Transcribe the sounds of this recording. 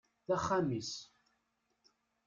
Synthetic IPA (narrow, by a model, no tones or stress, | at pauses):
θæχːamis